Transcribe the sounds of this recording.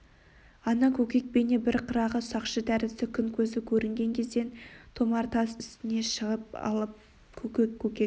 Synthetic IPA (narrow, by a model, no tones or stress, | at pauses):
ɑnɑkʲʰɵkʲe̞k̚bene̞bɪɾqʰəɾɑʁəsɑqʃəd̪æɾɪsɪkʲʰʏŋkʲʰɵzɪkʲʰɵɾɪŋɡʲe̞ŋkʲʰe̞zd̪e̞nt̪ʰo̞mɑɾt̪ʰɑsʏst̪ɪne̞ʃəʁəp̚ɑ̰lˠəp̚ | kʲʰɵkʲe̞kʲʰːɵkʲek